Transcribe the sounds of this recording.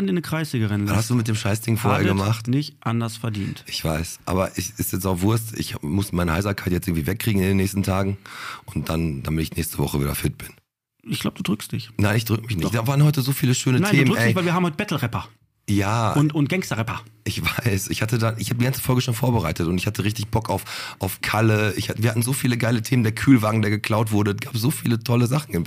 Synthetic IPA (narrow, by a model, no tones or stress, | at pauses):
nɪnəkʁ̥aɪsleːɡəʁɪnlahastd̥uːmɪt̚d̥eːmʃaɪsd̥ɪŋfoːɐhɛːɐɡəmaχtnɪçtʔandɐsfɛɐdḭːntʔɪçv̥aɪsʔa̰ːbɐʔɛsɪstjɛt͡saʊfv̥ʊɐstɪ̰çmʊsmaɪnəhaɪakʰaɪtjɛt͡sʔɪɡŋ̩tv̥iːvɛkːʁ̥iːɡŋ̩ɪndeːnːɛːçstn̩tʰaːɡŋ̩ʔʊnt̚d̥and̥amɪtɪçnɛːçstəvɔ̰χəvḭːdɐ̰fɪt̚b̥ɪn | ɪçɡ̥laʊbəduːdʁʏkstd̥ɪçnaɪnɪçd̥ʁʏkəmɪçnɪçtd̥aːvaːʁənhɔʏtəzoːfiːləʃøːnənatʰneːduːmʁksɛɪvaɪviɐaːmhɔɪt̚bɛtl̩ʁɛpɐ | jaːʊntʊnt̚ɡ̥ɛŋstɐʁɛpɐʔɪçv̥aɪsʔɪçhatədanɪçhaːbədiɡant͡sə̥fɔlɡəʃoːnfoːɐbəʁaɪtətʊntɪçhatəʁɪçtɪçb̥ɔkaʊfʔaʊfkʰaləɪçhatviːɐhatn̩zoːfiːləɡaɪlətʰeːməndeːɐkʰyːlvaːɡŋ̩deːɐɡəkʰl̥aʊtv̥ʊɐdəsɡ̥aːps̬z̥oːfiːlətʰɔləzaχn̩ɪn